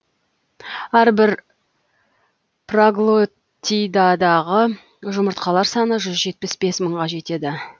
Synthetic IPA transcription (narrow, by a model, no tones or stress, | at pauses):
æɾbɪɾ | praɡlˠo | t̪ʲːijd̪ɑd̪ɑʁə | ʒʊməɾt̪̚qɑlˠɑɾsɑnəʒʏzʒe̞t̪̚pɪsbe̞sməɴʁɑʒe̞t̪e̞d̪ɪ